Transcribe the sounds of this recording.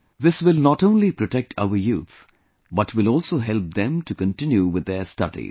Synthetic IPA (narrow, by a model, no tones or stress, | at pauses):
ðɪswɪlnɔʈõʊ̃nlipɾɔʈɛk̚ʈʰa̰ʊəjṵːt̪ | bʌʈʰwɪlɔːlsoːɦɛlp̚d̪ɛ̃mʈukə̃nʈɪ̃njuwɪðːəstʌ̰dḭ